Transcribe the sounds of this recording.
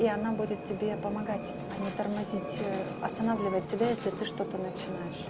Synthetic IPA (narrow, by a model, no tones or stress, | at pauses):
iɐnabudʲɪt̪̚tːʲɪbʲe̞pəmɐɡatʲ | ɐnʲɪt̪ərmɐzʲitʲ | ɐst̪ɐnavlʲɪvət̚ʲːɪbʲajesʲlʲɪt̪ɨʂt̪ot̪ənət͡ɕɪnajɪʂ